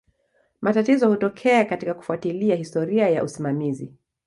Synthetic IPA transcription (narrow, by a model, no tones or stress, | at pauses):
matatizɔhutɔkʰɛakatikaku̥fuatiliahistɔɾiaja̰ʔusimamizi